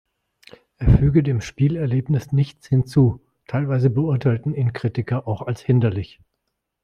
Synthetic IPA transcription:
ʔeːɐfyːɡədeːmʃpiːlɛɐleːpnɪsnɪçt͡shɪnt͡suː | tʰaɪlvaɪzəbəʊɐtʰaɪltn̩iːnkʁ̥itɪkɐʔaʊxalshɪndɐlɪç

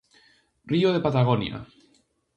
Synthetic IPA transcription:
rioð̞epat̪aɣ̞onja̰

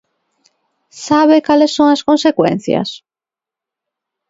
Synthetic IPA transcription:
saβ̞ekalesːõŋaskonsekwḛ̃n̟θja̰s

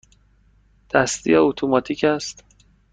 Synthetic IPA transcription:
d̪̥æst̪ḭjɒot̪ʰomɒːt̪ʰiːcʰæst̪

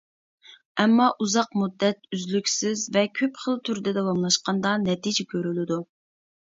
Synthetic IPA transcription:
ɛmːɑʔuzɑqmud̪ːɛt̪̚yzlykʲsɪzvɛkʲʰøpχəlˠt̪ʰyɾd̪ɛd̪ɛwɑmlˠɑʃqɑnd̪ɑnɛt̪ʰid͡ʒɛkʲʰøɾylɪd̪u

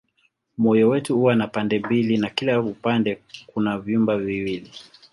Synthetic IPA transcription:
mɔjɔwɛtuhuwanapandɛmbilinakilaupandɛkunavjumbaviwili

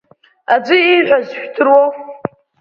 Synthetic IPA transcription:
ad͡ʒʷɨiħᶣʷazħʷᶣtʰɨrwow

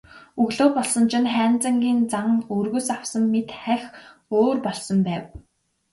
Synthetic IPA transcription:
ɵɣɮoːpɔɮsɞ̆nt͡ɕʰɪ̆nχæːnt͡sə̆ŋɡʲiːnt͡saŋɵrɣɵ̆sawsə̆mːet̪χæxoːrpɔɮsɞ̆mpæːw

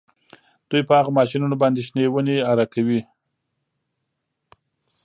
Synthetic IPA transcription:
d̪̥ujpəaɣamɑʃinunobɑnd̪eʃnewəneaɾakawi

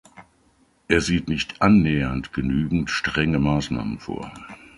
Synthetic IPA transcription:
ʔeːɐziːtnɪçtʔanːɛːɐntɡ̥ənyːɡŋ̩tʃtʁ̥ɛŋəmaːsna̰ːmənfo̰ːɐ

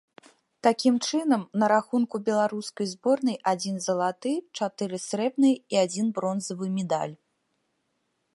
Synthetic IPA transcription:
t̪akʲimt͡ʂɨnɐmnɐɾaxunkubʲɛlˠaɾuskɐjzbɔrnɐjʔad͡zʲinzɐlˠat̪ɨt͡ʂat̪ɨɾɨsɾɛbnɨjiad͡zʲinbɾɔnzɐvɨmʲɛd̪a̰lʲ

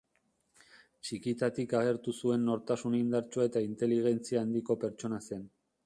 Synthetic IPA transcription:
t͡ʃikit̪at̪ikaɣ̞e̞ɾt̪usue̞nːo̞ɾt̪asunind̪aɾt͡ʃoe̞t̪aint̪e̞liɣ̞e̞nt͡siaːnd̪iko̞pe̞ɾt͡ʃo̞nase̞n

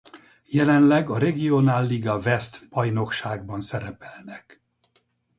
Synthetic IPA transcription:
jɛlɛnlɛɡɒɾɛɡionaːlːiɡɒvɛst̪bɒjno̞kʃaːɡbɒnsɛɾɛpɛlnɛk

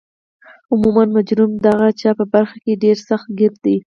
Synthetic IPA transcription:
ʊmumanmad͡ʒɾumd̪aɣat͡ʃɑpəbaɾxakeɖeɾsaxt̪̚ɡɪɾt̪̚d̪e

